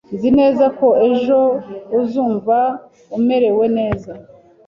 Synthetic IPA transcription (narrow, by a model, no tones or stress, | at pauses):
nzine̞ːzako̞e̞ʒo̞uzuːɱva | ume̞ɾe̞we̞ne̞ːza